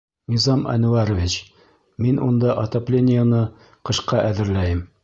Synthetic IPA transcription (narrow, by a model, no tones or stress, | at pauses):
nizɑmʔæ̰nuɑɾovʲit͡ɕ | minʔṵnd̪ɑʔɐt̪oplʲenʲɪjənɤ | qɤ̆ʃqɑʔæðɘ̆ɾlæjɘm